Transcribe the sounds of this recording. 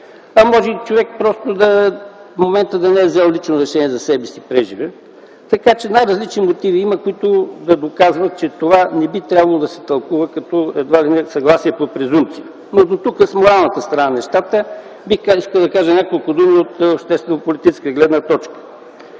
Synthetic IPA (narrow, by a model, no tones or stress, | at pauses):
ɐmɔʒɛit͡ʃovɛk̚pɾɔst̪od̪ɐfmomɛnt̪əd̪ɐnɛɛvzɛlˠlit͡ʃnoɾɛʃɛniɛzɐsɛbɛsipɾɛʒivɛ | t̪ɐkat͡ʃɛnajɾɐzlit͡ʃnimot̪iviiməkoit̪ʊd̪ɐd̪okazvət͡ʃɛt̪ovanɛbit̪ɾʲabɐlˠod̪ɐsɛ̥t̪ɐlˠkuvəkɐt̪ɔɛd̪valinɛsɐɡlˠasiɛpopɾɛzumpt̪sijə | nod̪ot̪ukəsmoɾalˠnət̪əst̪ɾɐnanɛʃt̪at̪ə | biiskəlˠd̪ɐkaʒənʲakolˠkʊd̪umiot̪opʃt̪ɛst̪vɛnopolit̪it͡ʃɛ̥skəəɡlɛd̪nət̪ɔt͡ʃkə̥